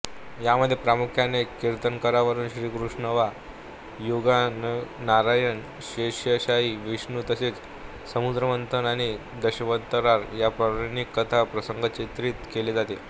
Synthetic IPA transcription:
jaməd̪ʱjepɾamukʰjanekiɾt̪ənkəɾaʋəɾuːnɕɾiːkɾuʂnəʋa | juɡannaɾajəɳ | ɕeɕjəɕaɦiːʋiɕɳuːt̪əseːt͡s | səmud̪ɾəmənt̪ʰənaɽ̃i | d̪əɕəʋət̪əɾaɾjapɾəʋnikːət̪ʰapɾəsəŋɡət͡ɕet̪ɾiːt̪keleːd͡zat̪e

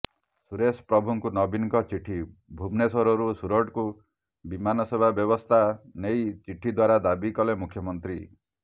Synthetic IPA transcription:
suɾespɾɔbʱuŋkunɔbinkɔt͡ʃiʈʰibʱubnesɔɾɔɾusuɾɔʈku | bimanɔsebʱabjɔbɔst̪ʰanejt͡ʃiʈʰid̪waɾad̪abikɔlemukʰjɔmɔnt̪ɾi

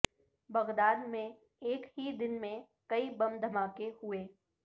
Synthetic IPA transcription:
bɐɣd̪aːd̪mẽ | eːkɦid̪ɪnmẽ | kɐibɐ̃md̪ʱɐmaːkehʊeː

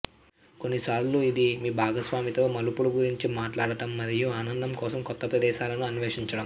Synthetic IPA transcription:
ko̞nːisaːɾluid̪imiːbʱaːɡɐsʋaːmit̪o̞ːmɐlupuɽuɡuɾiɲt͡ʃimaːʈlaːɽɐʈɐmːɐɾijuaːnɐnd̪ɐmkɔːsɐmkɔt̪ːɐpɾɐd̪ɛːʃaːlɐnuɐnʋeːʂiɲt͡ʃɐɽɐm

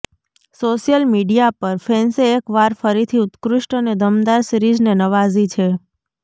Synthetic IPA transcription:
soʃijəlmiɖijapəɾfenseːkʋaɾfəɾit̪ʰiʊt̪kɾuʃʈəned̪ʱəmd̪aɾsɾid͡ʒnenəʋazit͡ʃʰe

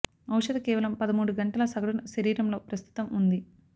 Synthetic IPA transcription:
ɐwʂɐd̪ɐkeːʋɐlɐmpɐd̪ɐmuːɽuɡɐɳʈɐlɐsɐɡɐɽunɐʃɐɾiːɾɐmlo̞ːpɾɐst̪ʰu̥t̪ɐmund̪i

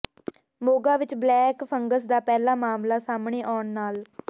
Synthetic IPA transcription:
moːɡaːʋɪt͡ʃblɛːkpʰəŋɡəs̬d̪aːpɛːlaːmaːmlaːsaːmɳeːʔaːɳnaːl

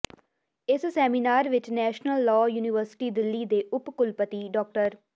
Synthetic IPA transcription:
ɪssɛːminaːɾʋɪt͡ʃnɛːʃnəlːɔːjuːnɪʋəɾsɪ̥ʈiːd̪ɪlːiːd̪eːʔʊpkʊlpət̪iːɖɔːk̚ʈəɾ

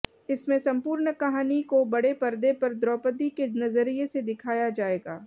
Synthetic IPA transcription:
ɪsmẽsɐ̃mpuːɾɳəkɐɦaːnikobɐɽepɐɾd̪epɐɾd̪ɾɔːpət̪ikenɐzəɾiesed̪ɪkʰaːjad͡ʒaːeːɡaː

